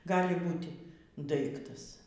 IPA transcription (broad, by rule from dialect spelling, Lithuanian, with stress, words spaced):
ˈɡɑːlʲɪ ˈbuːtʲɪ ˈdɐɪktɐs